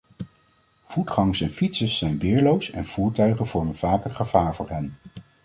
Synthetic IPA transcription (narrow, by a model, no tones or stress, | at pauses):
v̥utχɑŋəsɛnfitsəsːɛjnʋɪːɹlowsɛ̰nv̥uːɹtœɥχənv̥ɔɹmənv̥aːkəχəv̥aːɹvʊːɹɦɛn